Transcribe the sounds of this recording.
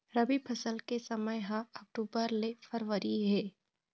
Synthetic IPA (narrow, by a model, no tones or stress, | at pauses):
ɾɐbipʰɐsəlkesɐməjɦãɔk̚ʈuːbəɾlefʰɐɾʋəɾiɦɛː